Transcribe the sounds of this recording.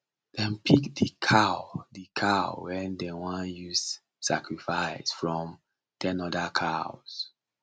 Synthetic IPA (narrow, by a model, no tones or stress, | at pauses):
dɛ̃mpʰikdikʰaʊdikʰaʊwɛ̃ndɛwãnjuz | sa̰kɹifaɪsfɹɔ̃m | tʰɛ̃nɔdakʰaʊs